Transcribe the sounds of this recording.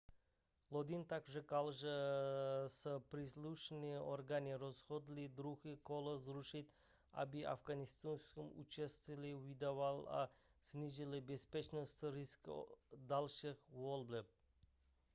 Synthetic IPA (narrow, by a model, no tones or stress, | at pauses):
lˠod̪int̪akʒəkalˠʒə | səpɾislˠuʃniʔorɡanʲiɾozχod̪lid̪ɾuɣikolˠəzɾuʃit̪ʲ | a̰bia̰fɡanist̪unskəmṵt͡ʃest̪vilʲiwid̪avalˠa̰snʲiʒilibespʲet͡ʃnost̪ɾiskd̪alˠʃixvolˠblʲep̚